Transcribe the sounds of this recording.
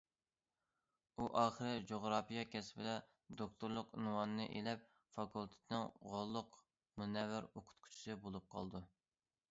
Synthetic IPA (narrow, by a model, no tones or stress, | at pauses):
uʔɑːχəɾɨd͡ʒoʁɾɑːpijɑkʲɛspɪd̪ɛ | d̪ok̚t̪ʰuɾlˠʊqinwɑnɨnɨ̰ʔelɛp̚ | fɑkʰulˠt̪ʰɪ̥t̪ʰnɨŋʁolˠːʊq | munɛwɪɾoqʰʊ̥t̪qʰʊ̥t͡ʃʰi̥sɨbolˠup̚qʰɑ̰lˠd̪u